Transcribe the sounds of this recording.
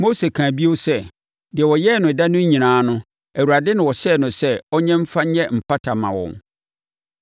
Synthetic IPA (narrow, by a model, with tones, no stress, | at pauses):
mo˦se˨kʰãː˨bi˦o˦sɛ˦ | dɪ˨ɛ˨wɔ˨jɛ˦˨nʊ̃˨da˦nʊ̃˦ɲ̩˦ɲĩ˨nãː˨˦nʊ̃˦ | æ˨wu˨ɾa˨dɪ˦nɪ̃˨wɔ˨ɕɛː˦˨nʊ̃˨sɛ˦ɔ˦ɲɛ̃˦m̩˦fa˦ɲ̩˦ɲɛ˦m̩˨pʰa˦tʰa˨mã̰˨wɔ̰̃˨n